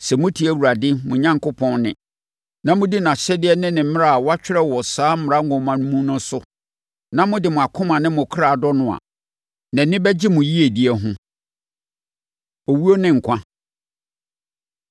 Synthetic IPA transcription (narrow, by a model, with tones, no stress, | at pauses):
sɛ˨mʊ̃˦tʰi˨˦æ˦wu˨ɾa˨dɪ˦mʊ̃˨ɲã˦ŋko˦pʰɔ̃˦nnɪ̰̃˨ | nã˦mʊ̃˦di˦nã˨ɕɛ˦dɪ˦ɛ˦nɪ̃˦nɪ̃˨m̩˦m̃˦ɾa˦˨a˨wɔ˦a˦t͡ɕᶣɪ˦ɾɛ˦wɔ˨saː˦m̩˦m˨ɾa˦ŋ̩˦ɡɔ̃˨˦mã˨nʊ̃˦mũ˦nʊ̃˦sʊ˦ | nã˦mʊ̃˦dɪ˨mʊ̃˨a˨kʰʊ̃˦mã˨nɪ̃˦mʊ̃˨kʰɾa˨a˨dɔ˦nʊ̃˨a̰˨ | nɛ̃˨nɪ̃˦bɛ˦d͡ʑɪ˦mʊ̃˨ji˦e˨di˦ɛ˦ɦʊ̃˦ | o˨wu˦o˦nɪ̃˦ŋ̩˨kʷʰã˦